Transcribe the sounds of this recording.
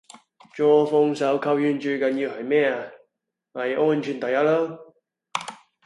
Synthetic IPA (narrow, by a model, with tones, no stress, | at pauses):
t͡ʃɔː˧fɔ˧ŋsɐ˨˥wkʰɐ˥˧wjyː˧nt͡ʃɵ˧jkɐ˨nji˧whɐ˨jmɛː˥ɐ˧ | ŋɐ˨˩jʔɔː˥nt͡ʃʰyː˨˩nt̪ɐ˨ja˥lo˥w